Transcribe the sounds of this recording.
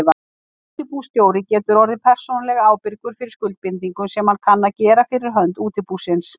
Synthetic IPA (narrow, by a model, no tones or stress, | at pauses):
va | t̪ɪpust̪joːwɾɪcɛːt̪ʏɾɔɾðɪpʰɛr̥sɔnalɛɣaaːwpɪɾkʏɾ̥fɪɾɪɾskʏlt̪̚pɪnt̪iŋkʏmsɛmhankʰanːacɛːɾafɪɾɪɾ̥ɦœnt̪uːt̪ɪpusɪns